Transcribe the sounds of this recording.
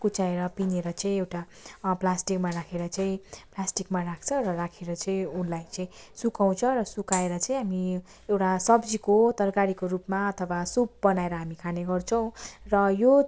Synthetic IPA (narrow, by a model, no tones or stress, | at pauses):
kut͡saeɾʌpineɾʌt͡saĩewʈa | plasʈikmarakʰeɾʌt͡saĩplasʈikmarakʰt͡sʰʌɾʌrakʰeɾʌt͡saĩunlajt͡sʌĩsukaw̃t͡sʰʌrʌsukaeɾʌt͡saĩɦami | ewʈasʌbd͡zikot̪ʌrkaɾikorupmaʌt̪ʰʌwasup̚bʌnaeɾʌɦamikʰaneɡʌrt͡sʰʌw̃rʌjo